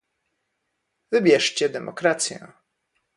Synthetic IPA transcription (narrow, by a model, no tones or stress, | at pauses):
vɘbʲjɛʂt͡ɕɛd̪ɛmʔɔ̰kɾat̪sʲjɛ̰̃